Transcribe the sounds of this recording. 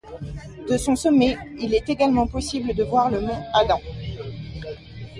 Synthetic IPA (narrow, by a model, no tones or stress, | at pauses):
d̪əsɔ̃sɔmɛilɛt̪eɡalmɑ̃pɔsibləd̪əvwaʁlənɔ̃ad̪ɑ̃